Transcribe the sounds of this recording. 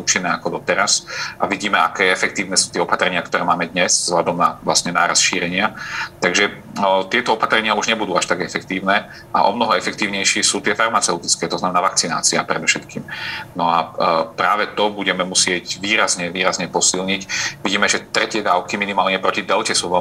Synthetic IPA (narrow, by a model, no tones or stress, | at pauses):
uːt͡ʃinːɛːakɔd̪ɔt̪ɛɾasaʋiɟiːmɛa̰kɛːɛfɛk̚t̪iːʊnɛsuːt̪ɪɛɔpat̪ɾɛɲɪakt̪ɔɾɛːmaːmɛd̪ɲɛzzɦlʎad̪ɔmna̰ʋlasɲɛna̰ːɾa̰sʃiːɾɛɲɪat̪aɡʒɛ | t̪ɪɛt̪ɔɔpat̪ɾɛɲɪauʒɲɛbud̪uːaʃt̪aɡɛfɛk̚t̪iːʊnɛː | ʔa̰ʔɔ̰mnɔɦɔɛfɛk̚t̪iːʊɲɛjʃɪɛsuːt̪ɪɛfaɾmat͡sɛʊt̪it͡skɛːt̪ɔznamɛnaːʋak̚t͡sina̰ːt͡siapɾɛd̪ɔfʃɛt̪kiːmnɔapɾaːʋɛt̪ɔbuɟɛmɛmusɪɛɟʋiːɾazɲɛʋiːɾazɲɛpɔsilɲicʋiɟiːmɛʒɛt̪ɾɛcɪɛd̪aːʊkiminimaːlɲɛpɾɔcid̪ɛlcɛsuːʋɛ